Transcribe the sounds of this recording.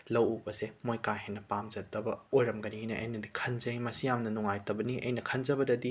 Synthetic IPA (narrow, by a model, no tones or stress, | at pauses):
lɐwubɐsemojkaɦenːɐpamzɐt̚ːɐbɐojɾɐmɡɐniɦijnɐʔɐ̰jnɐdikʰɐnzɐjmɐsijamnɐnuŋajtɐbɐniʔɐ̰jnɐkʰɐnzɐbɐdɐdi